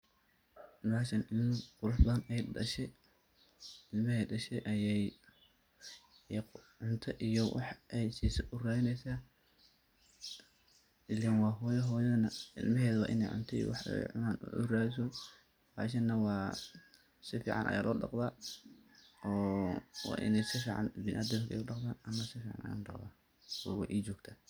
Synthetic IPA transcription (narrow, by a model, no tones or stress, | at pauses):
baːʃɐnɪlmɐqʊɾʊħbɐɐnɛjɖɐʃɛ | ɪlmɐɦɛjɖɐʃɛjʔɐjɛj | ʕʊnt̪ʰɐʔijɔwɑ̰ħʔɛjsiːsɛʔʊraːɪnɛjsaː | ʔɪlːɛnwɑːɦɔːjɐɦɔːjɐnɐɪ̰lmɐɦɛːðɐwɑ̰ːʔɪnɛjʕʊ̰nt̪ʰɐḭjɔ̰wɑħɛ̰jʕʊ̰naːnʔʊ̰raːɪs̬ɔ | ba̰ːʃ̬ɐnːɐwɑː | sɪfḭːʕɑ̰nʔɐ̰jaːlʔɔːɖɑ̰qðaː | ɔːwɑ̰ːʔɪ̰nɛjsɪfiːʕɑ̰nbɪnʔad̪ɐmkʰɛ̰jʊɖɑqðaːnɐmːɐsɪfiːʕɑ̰nʔɐ̰ja̰ːnɖɑqða̰ː | ɔ̰wɛ̰ʔiːt͡ʃɔːɡt̪ʰaː